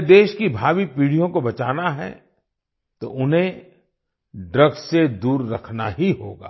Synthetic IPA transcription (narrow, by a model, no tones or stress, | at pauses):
d̪eːʃkibʱaːʋipiːɽ̤ijõkobɐt͡ʃaːnaɦɛ̰ | t̪oʊnɦẽ | ɖɾəɡsed̪uːɾːɐkʰnaɦiɦoːɡa̰ː